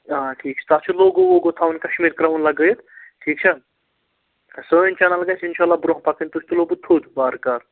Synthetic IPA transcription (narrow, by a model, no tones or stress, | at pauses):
ãʈʰiːk̚t͡ʃʰɐ̥t̪at͡ʃʰuloɡowoɡot̪ʰaːwnkɐʃmiːɾkɾaɦunlɐɡəjt̪ʈʰiːk̚t͡ʃʰɐ | soint͡ʃanalɡajsinʃaːlːabɾõɦpakənt̪ut͡ʃʰt̪uloːbut̪ʰːud̪baːɾkɐɾ